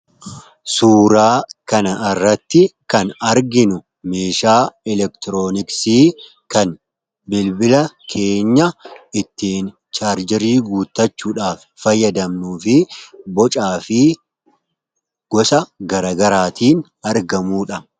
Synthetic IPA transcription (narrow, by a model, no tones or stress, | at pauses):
suːɾaːkɐnɐɪrːɐt̪ːɪkɐnɐɾɡɪnʊ | meːʃaːɛlɛkt̪ɪɾoːnɪksiː | kɐn | bɪlbɪlɐkʰe̞ːɲːɐɪt̪ːiːn | t͡ʃaːɾd͡ʒɪɾiːɡuːt̪ːɐt͡ʃːuːᶑaːf | fɐjːɐd̪ɐmnuːfɪbɔt͡ʃʼaːfɪ | ɡ̥ɔsɐɡɐɾɐɡɐɾaːt̪iːn | ɐɾɡɐmuːᶑɐ